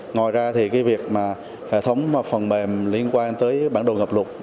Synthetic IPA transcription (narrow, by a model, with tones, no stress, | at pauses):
ŋɔ˨˩jzaː˧t̪ʰi˨˩kaː˨˦jvi˨˩ək̚maː˨˩ | hḛ˧˨t̪ʰə˨˦wŋ͡maː˨˩fə˨˩nɓe˨˩mli˧ənkwaː˧nt̪əː˨˦jɓaː˧˩nɗo̰˨˩ŋə˨˩p̚lə˨˩t̚